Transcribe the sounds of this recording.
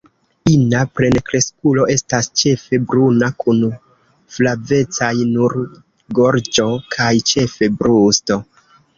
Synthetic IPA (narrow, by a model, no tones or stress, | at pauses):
inapɾe̞nkɾe̞skulo̞ʔe̞stast͡ʃe̞fe̞bɾunakʰun | flave̞t͡sajnuɾ | ɡo̞ɾd͡ʒo̞kʰajt͡ʃe̞fe̞bɾusto̞